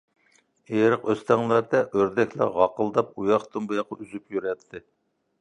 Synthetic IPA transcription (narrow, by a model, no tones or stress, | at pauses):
eɾəqøst̪ʰɛŋlˠæɾd̪ɛʔøɾd̪ɛkʲlæ̰ʁɑqəlˠd̪ɑp̚ujɑχt̪ʰɨmbɨjɑqʰɑyzypjyɾɛt̪ʰːɨ